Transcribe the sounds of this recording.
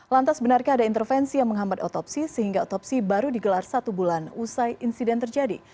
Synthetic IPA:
lant̪asbənarkaːdaint̪ərfɛnsijaŋməŋɦambat̪ɔt̪ɔpsisəɦiŋɡaot̪ɔpsibaɾudiɡəlarsat̪ubulanusajʔinsidɛnt̪ərd͡ʒadḭ

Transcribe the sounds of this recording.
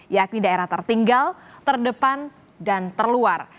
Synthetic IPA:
jak̚nidaeɾaht̪ərt̪iŋɡalt̪ərdəpan | dant̪ərluar

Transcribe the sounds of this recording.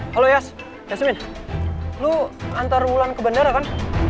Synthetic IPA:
halojas | jasmɪn | luant̪arbulankəbənəɾakan

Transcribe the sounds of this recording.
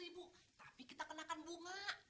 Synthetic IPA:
ibut̪ḁpikit̪akənakanbuŋaʔ

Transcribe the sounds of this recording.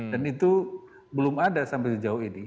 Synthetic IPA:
danit̪u | bəlʊmadasampɛjsəd͡ʒaʊhini

